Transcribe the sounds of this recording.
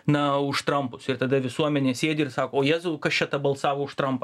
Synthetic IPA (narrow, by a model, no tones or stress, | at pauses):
nɐʊʃtt̪ɾɐmpʊsɪrt̪ɐd̪ɐʋʲɪsuɔmʲɛnʲeːsʲeːd̪ʲɪɪɾsɑːkoːoːjæːzʊkɐst͡ʃʲɛt̪ɐbɐlˠsɑːʋoːʊʃt̪ɾɐmpɐ